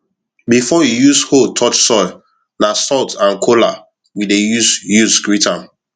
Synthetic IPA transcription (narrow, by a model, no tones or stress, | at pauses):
bifɔijushotʰɔt͡ʃsɔɪ | nasɔltãnkʰola̰ | widejusjusskɹitʰãm